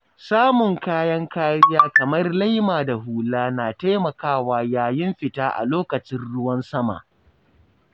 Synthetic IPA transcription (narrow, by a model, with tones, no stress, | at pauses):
saː˦mʊ˨ŋkaː˦jɐ˦ŋkaː˦ɾɪ˦jaː˦kɐ˨mɐ˦rla˦jmaː˨da˨ɦuː˨laː˦naː˨ta˦jmɐ˨kaː˦˨waː˨jaː˦˨jɪ˦mɸɪ˨taː˦ʔa̰˨loː˦kɐ˨t͡ʃɪ˦nɽʊ˦wɐ˦nsɐ˦ma̰ː˨ʔ